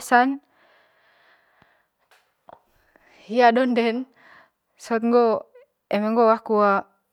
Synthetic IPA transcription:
san | hiadɔndɛn | sɔt̪̚ŋɡo | ɛmeŋɡowahkua

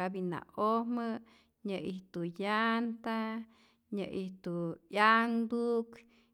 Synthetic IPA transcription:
abina̰ohmə | ɲəʔiht̪ujant̪a | ɲəʔiht̪ujaŋd̪uʔk

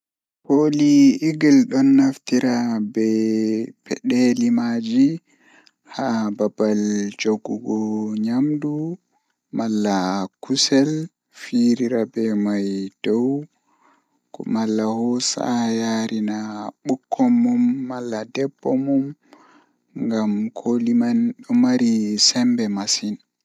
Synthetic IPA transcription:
poliːɡilɗɔnːaftiɾabɛpʰɛ̰ɗelimad͡ʒi | hababald͡ʒoɡuɡɔɲamdu | malːakusɛl | fiɾiɾabɛmajd̥ɔw | kɔ̰malːahɔsa̰jaɾʔinaɓukʰːɔmːumːalːadɛbːɔmum | ŋɡamkʰolimanɗɔmaɾisɛmbɛmasin

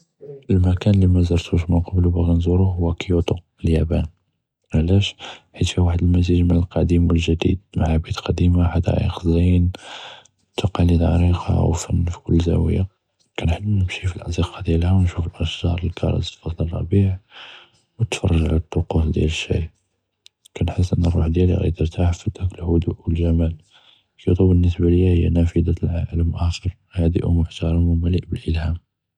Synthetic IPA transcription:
ʔəlmækænəlːimæzɑɾˤt̪ʰuʃməqɑblubæɣinzuɾuɦʊwːækjut̪u | əljæbæn | ʕlæʃħit̪fiwaħəd̪əlmæziʒmənəlqɑd̪imwəlʒəd̪ḭd̪̚maʕabid̪qʰɑd̪imaħad̪æ̰ʕḭxzin | t̪ːuqɑlid̪ʕɑ̰ɾiqɑ̰wfænːfi̥kʊlːzæ̰wəja | kænħənːnəmʃifilʔɑziqɑd̪jælhæwnʃufəlʔəʃʒɑɾˤəlkʰɑ̰ɾˤɑ̰zfɑd̪ˤlɑrˤːɑ̰biʕ | wət̪fɑ̰rˤːɑʒʕa̰lt̪ˤːoqusˤd̪jæ̰ləʃːæ̰ | kænħəs̬ːʔənːərˤːuħd̪jæliɣæ̰jt̪əɾt̪ʰaʕfət̪ːækəlhʊd̪uʔwəlʒæmæl | kit̪ˤubənːəsbaləjæhəjːænæfəd̪ɑt̪lʕaʕlmʔæxɑɾˤ | hæd̪ḭʔumʊħt̪ɑɾˤɑməmələʔbəlʔəlhæm

